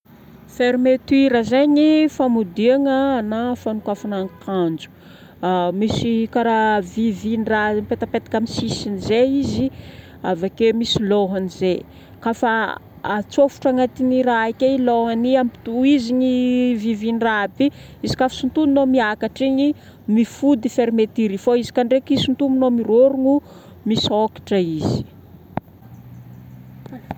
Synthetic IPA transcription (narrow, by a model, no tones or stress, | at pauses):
feɾimet̪wiɾəzeɲifamud̪iaŋənafanukafanaŋkʰand͡ʒu̥ | misikaɾavivinirampet̪apet̪ḁkʲamisisinizeizi | avakemisiloɦanize | kafa | at͡sofu̥ʈ͡ʂaŋat̪iniɾaikeiloɦaniampi̥t̪uiziɲivivinrabi | izi̥kafḁsunt̪ununomiakaʈ͡ʂiɲi | mifud̪ifeɾimet̪iɾifoizi̥kaɳɖ͡ʐekisunt̪umunomiɾoɾuŋu | misokḁʈ͡ʂəizi̥